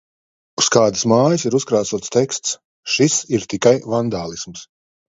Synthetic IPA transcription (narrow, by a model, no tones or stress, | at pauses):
uskaːd̪ɨsmaːjɨsiɾuskɾaːsuɔt̪st̪ɛkst̪s | ʃisiɾt̪ikajvand̪aːlˠisms